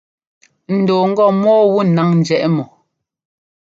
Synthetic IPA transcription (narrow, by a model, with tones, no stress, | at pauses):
n̩˨doː˨ŋ̩˦ɡɔ˦˨mɔː˦wu˦na˨˦ŋn̩˨d͡ʒɛ˨ʔɛ˦mɔ˨